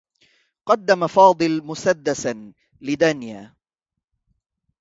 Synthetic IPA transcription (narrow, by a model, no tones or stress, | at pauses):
qɑd̪ːamafɑːd̪ˤɨlmʊsad̪ːasa | lɪd̪anjaː